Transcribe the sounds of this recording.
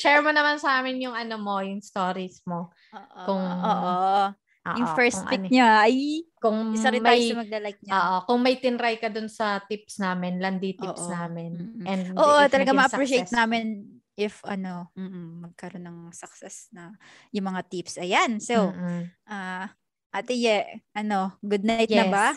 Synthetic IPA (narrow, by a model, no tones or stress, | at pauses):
t͡ʃɛɹmonɐmansɐʔaːmɪnjʊŋʔɐnomo̞jʊŋst̪o̞ːɾismo̞ | ʔkʊŋoʔo | ʔo̰ːʔjʊŋfɛɹst̪ŋʔɐḭnɲaɐjkʊŋɪsɐɛmɐjmɐɡlɐlak̚noːʔokʊŋmɐjt̪ɪnɾajkɐd̪ʊnsɐt̪ɪpsnaːmɪnlɐnd̪it̪ḭːʔsʔnaːmɪn̩ːɛnd̪ʔoːʔot̪ɐlɐɡamɐʔɐɾiʃejt̪naːmɪn | ʔɪfʔɐno̞m̩ːʔ̩mɐɡ̚kɐɾo̞nɐŋsɐksɛsnɐ | jʊŋmɐŋat̪ipsʔɐjansowʔa | ʔat̪ɪjɛʔʔɐno̞ɡʊd̪̚najtnɐba